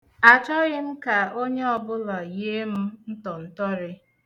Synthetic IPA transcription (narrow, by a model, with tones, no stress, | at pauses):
a˨t͡ʃɔ˦ɣɪ˦m̩˦ka˨o˦ɲe˦ɔ˨bʊ˦lɔ˨je˦m̩˦n̩˦tɔ˨n̩˦tɔ˦ɾɪ˦